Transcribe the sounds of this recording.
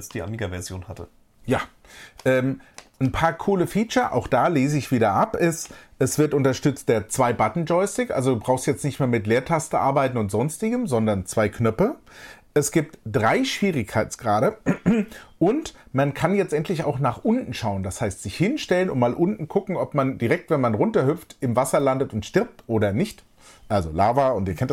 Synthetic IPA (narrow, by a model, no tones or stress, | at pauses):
lsd̥iːa̰miːɡavɛɐzjoːnhatə | jaː | ʔɛːmnpʰaːɐkʰuːləfiːt͡ʃɐʔa̰ʊxd̥aːleːzəɪçv̥iːdɐʔapʔɪstʔɛsv̥ɪɐtʔʊntɐʃtʏt͡st̚d̥eːɐt͡sv̥aɪbatn̩d͡ʒɔɪstɪkʔa̰lzoduːbʁaʊstjɛt͡stnɪçtmeːɐmɪtleːɐtʰastəʔa̰ɐbaɪtn̩ʊntz̥ɔnstɪɡəmzɔndɐnt͡sv̥aɪkʰnœpəʔɛsɡ̥iːp̚td̥ʁaɪʃv̥iːʁɪçkʰaɪtsɡ̥ʁaːɾə | ʔʊntmankʰanjɛt͡stʔɛntʰlɪça̰ʊxnaːχʔʊntn̩ʃaʊənd̥ashaɪstz̥ɪçhɪnʃtɛlənʊntmaːlʔʊntn̩kʰʊkŋ̩ɔpmandiʁɛk̚tv̥ɛnmanʁʊntɐhʏp͡ftɪmvasɐlandətʊntʃtɪɐp̚tʔoːɾɐnɪçt | ʔalzolaːvɐʊntiːɐkʰɛnt